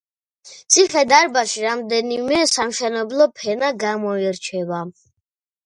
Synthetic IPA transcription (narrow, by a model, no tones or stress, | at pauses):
t̪sʰiχɛd̪aɾbaʃiɾamd̪ɛnimɛsamʃɛnɛblɔpʰɛnaɡamɔiɾt͡ʃʰɛva